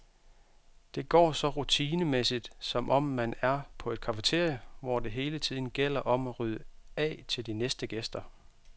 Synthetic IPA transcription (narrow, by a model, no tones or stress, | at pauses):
d̥e̝ɡ̥ɒ̰ːsɒ̽ʁut͡sʰiːnəmesid̥sɒ̽mʔɒ̽mːænæɐpʰɒ̽e̝d̥̚kʰɑ̈fət͡sʰe̝ɐ̰jəʋɒ̰ːd̥e̝ɦe̝ːlət͡sʰið̞̰ˠn̩ɡ̥el̰ɐʔɒ̽mæʁyðˠəɛ̰ːt͡sʰe̝ld̥inesd̥əɡ̥esd̥ɐ